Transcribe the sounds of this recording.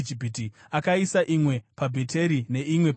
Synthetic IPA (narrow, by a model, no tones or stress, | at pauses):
d͡ʒipiti | akaisaʔimwe̞pabʱetʰe̞ɾine̞imwe̞p